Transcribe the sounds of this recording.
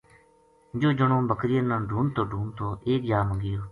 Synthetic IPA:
d͡ʒoːd͡ʒəɳõːbʱəkʰɾɪjənãːɖʱuːnt̪ʰoːɖʱuːnt̪ʰoːʔeːkd͡ʒaːməɡɪjoː

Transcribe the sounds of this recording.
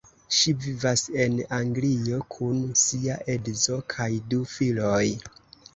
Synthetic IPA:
ʃivivase̞naŋɡlio̞kʰunsiaʔedzo̞kʰajdufiloj

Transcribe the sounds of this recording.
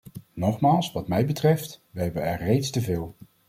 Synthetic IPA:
nɔχmaːlˠsʋɑtmɛjbətrɛftʋəɦɛbənɛɹrejtstəvɪːlˠ

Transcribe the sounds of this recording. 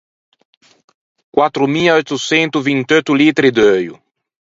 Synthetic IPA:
kwat̪ɾʊmilojt̪ʊsẽnt̪ʊvĩnt̪ojt̪ʊlit̪ɾid̪øjʊ̰

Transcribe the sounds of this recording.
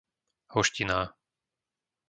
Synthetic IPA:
hɔʃcinaː

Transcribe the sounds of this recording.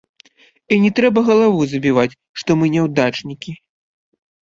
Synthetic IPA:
inʲɛt̪ɾɛbɐɣɐlˠavuzɐbʲivat͡sʲ | ʂt̪ɔmɨnʲɛwd̪at͡ʂnʲikʲi

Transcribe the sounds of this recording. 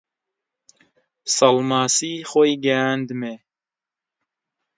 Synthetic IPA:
sɑlmaːsiːxojɡɛand̪ɨme

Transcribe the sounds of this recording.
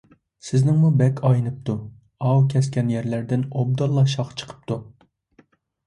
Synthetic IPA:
sɪznɪŋmubɛkʲʰɑjnɨp̚t̪ʰu | ɑwkʲʰɛskʲɛnjæɾlæɾd̪ɪnob̚d̪ɑlˠːɑʃɑχt͡ʃʰə̥qʰə̥p̚t̪ʰu

